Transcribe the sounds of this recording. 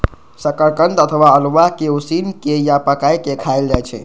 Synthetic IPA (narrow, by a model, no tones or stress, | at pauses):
səkəɾkənd̪ət̪ʰəʋaəlʋakeusinkejapəkajkekʰajld͡ʒajt͡ʃʰɛ̰